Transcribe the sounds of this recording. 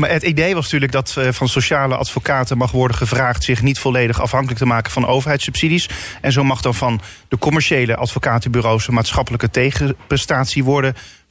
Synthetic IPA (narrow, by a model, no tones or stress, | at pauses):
maːɦətidejʋɑsntyːɹləɡ̚dɑtvɑnsowʃaːləʔɑ̰tfokaːtəmɑχʋɔɹdəχəvraːχtsɪχnitfɔlejdəχɑ̰fɦɑŋkələk̚təmaːkəv̥ɑnʔo̰wvəɹɦɛjtsʉpsidisɛnzowmɑχdɑnvɑndəkɔmɛɹʃejləʔɑtfokaːtəbyrowsənmaːtsχɑpələkətejχəprɛstaːtsiʋɔɹdə